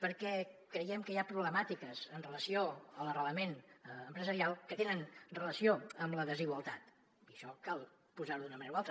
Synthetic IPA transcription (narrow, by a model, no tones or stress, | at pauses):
pəɾkɛkɾəjɛmkəjapɾuβləmat̪ikəzənrələsioələrələmenəmpɾəzəɾialˠkət̪enənrələsioəmləðəziɣwəlˠt̪at̪ | iəʃɔkalˠ | puzaɾuðunəməneɾaualˠt̪ɾə